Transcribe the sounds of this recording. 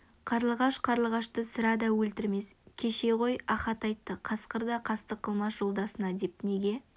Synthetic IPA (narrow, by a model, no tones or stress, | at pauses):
qʰɑɾlˠʁɑʃqʰɑɾlˠʁɑʃt̪əsəɾɑd̪ɑwɵlt̪ɪɾme̞skʲʰe̞ʃe̞ʁo̞jɑχɑt̪ɑjt̪ːəqʰɑsqəɾd̪ɑqʰɑst̪əqʰːəlˠmɑsʒo̞lˠd̪ɑsənɑd̪e̞p̚ne̞ɡʲe̞